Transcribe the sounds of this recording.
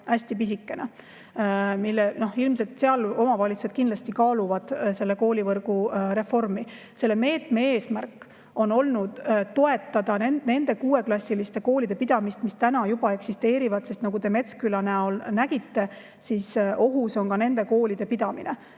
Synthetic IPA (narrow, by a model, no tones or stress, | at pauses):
æsʲt̪ipis̬ikːe̞nḛ | milːeno̞hilmse̞lt̪se̞ɑlo̞mɑvɑlʲit̪suse̥kind̪lɑsʲt̪ikɑːluvɑd̪̥se̞lːe̞ko̞ːlʲivɤrɡ̥uɾe̞fo̞rmi | se̞lːe̞me̞ːt̪me̞eːsmærkːˑ | o̞no̞lnud̪̥t̪o̞e̞t̪ːˑɑd̪̥ɑnene̞nd̪e̞kuːe̞klɑsʲːilist̪e̞ko̞ːlid̪̥e̞pid̪̥ɑmist̪mist̪ænɑjub̥ɑe̞ksist̪e̞ːɾivɑd̪̥sest̪nɑɡut̪e̞me̞t̪skylɑneolnæɡ̥it̪ːe̞ | sisʔo̞ɦuso̞nkɑne̞nd̪̥e̞ko̞ːlʲid̪̥e̞pid̪ɑminḛ